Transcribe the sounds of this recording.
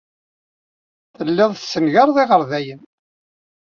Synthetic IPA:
θəlːɪðˤsːənʝɑɾˤðˤiʁəɾðæjən

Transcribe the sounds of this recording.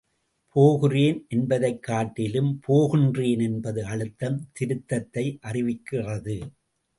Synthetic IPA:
pʰoːɣɯreːnʔɛnbɐðɐɪkːaːʈːɪlɯmpʰoːɣɪndreːnɛnbɐðɯɐɻɯt̪ːɐmt̪ɪɾɯt̪ːɐt̪ːɐɪʔɐrɪʋɪkːɪrɐðɯ

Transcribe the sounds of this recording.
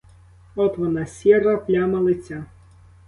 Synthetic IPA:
ɔt̪ʋɔnɑsʲiɾɐplʲamɐlˠɪt͡sʲa

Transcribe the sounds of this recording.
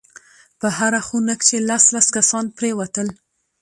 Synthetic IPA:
pəɦaɾaxunəkt͡ʃelaslaskasɑnpɾewat̪əl

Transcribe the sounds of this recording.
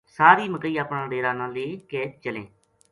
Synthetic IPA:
saːɾiːməkiːaːpɳãːɖeːɾaːnãːleːkɛːt͡ʃəlḛ̃ː

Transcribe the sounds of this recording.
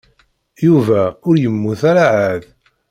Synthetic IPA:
juvæʊɾjəmːuθæɾaʕað

